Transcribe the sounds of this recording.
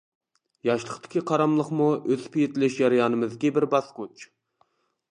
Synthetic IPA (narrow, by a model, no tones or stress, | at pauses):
jɑʃlˠəχt̪ʰɪ̥kʲʰiqʰɑɾɑmlˠəqmuʔøz̥pʰijit̪ʰɪlɪʃjɑɾɪjɑːnɨmɨzɡʲɛbɪɾbɑsqut͡ʃ